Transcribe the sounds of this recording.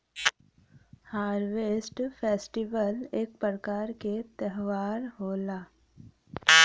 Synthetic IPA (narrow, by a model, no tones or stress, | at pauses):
haːɾʋeːsʈpʰeːsʈiʋəleːk̚pəɾəkaːɾket̪ɛɦʋaːɾɦoːlaː